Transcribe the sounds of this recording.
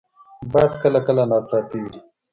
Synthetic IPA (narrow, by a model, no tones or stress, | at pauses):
bajad̪kəlakəlanaːt͡saːp̪iwi